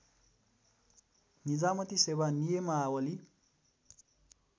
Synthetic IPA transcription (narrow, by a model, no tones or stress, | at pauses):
nid͡zamʌt̪isewanijemaawʌli